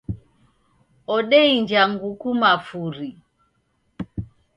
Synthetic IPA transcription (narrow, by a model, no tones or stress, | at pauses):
ɔɗɛiɲd͡ʒaŋɡukumafuɾi